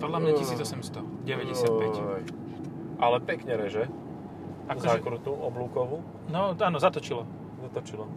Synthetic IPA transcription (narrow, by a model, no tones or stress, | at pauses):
pɔd̪lamɲasiːd͡zɔsɛmst̪ɔɟɛʋɛɟɛsapɛj | ʔalɛpɛkɲɛɾɛʒɛ | akzaɛkɾut̪uʔɔbluːkɔʋu | nɔaːnɔzat̪ɔt͡ʃilɔ | zat̪ɔt͡ʃilɔ